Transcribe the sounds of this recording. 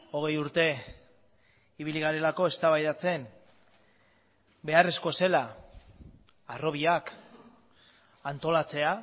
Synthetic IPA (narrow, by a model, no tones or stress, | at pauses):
o̞ɣ̞e̞juɾt̪e̞ | iβ̞iliɣ̞aɾe̞lako̞e̞st̪aβajðat͡se̞n | be̞are̞sko̞se̞la | aro̞β̞iak | ant̪o̞lat͡se̞a